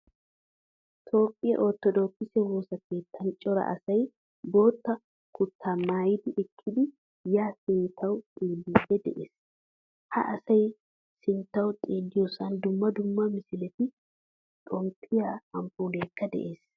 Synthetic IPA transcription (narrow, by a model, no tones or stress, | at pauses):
t̪ʰo̞ːpʼːɪjɐ̰ʔɔt̪ːɔd̪oːkːɪsɛwoːsɐke̞ːt̪ʰːɐnt͡ʃʼɔɾɐ̰ʔɐ̰sɐj | bo̞ːt̪ːɐ | kʊt̪ːaːmaːjɪd̪ɪʔɛkʰːɪd̪ɪ | jaːsɪnt̪ʰːɐwʊt̪ʼiːlːiːbɛd̪ɛ̰ʔḛːs | hɐ̰ʔɐsɐj | sɪnt̪ːɐwt̪ʼiːlːɪjɔsɐnd̪ʊmːɐd̪ʊmːɐmɪsɪlɛt̪ɪ | t̪ʼɔmpʰɪjaɐmpuːleːkːɐd̪ɛ̰ʔeːs